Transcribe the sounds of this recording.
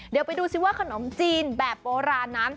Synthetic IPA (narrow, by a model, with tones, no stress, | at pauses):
ddi˩˦wpa˧jduː˧si˨˦waː˥˩kʰa˧no˩˦mt͡ɕiː˧nbɛː˨˩p̚ːoː˧ɾaː˧nːa˦˥n